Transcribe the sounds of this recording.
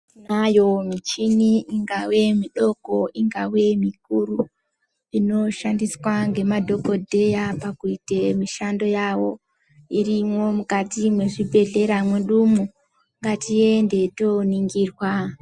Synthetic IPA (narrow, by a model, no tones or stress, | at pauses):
najo̞mit͡ʃiniiŋɡawe̞miɗo̞ko̞iŋɡawe̞mik̚uru | ino̞ʃandiswaŋɡe̞madʱo̞ko̞dʱe̞japakuitemiʃando̞jawo̞ | irimwo̞mukatimwe̞ʐibʱe̞ɮe̞ɾamweɗumu | ŋɡatiende̞to̞niŋɡiːrwa